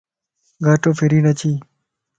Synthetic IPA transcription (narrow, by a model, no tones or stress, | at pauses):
ɡʱaːʈoːpʰɪɾiːnət͡ʃʰiː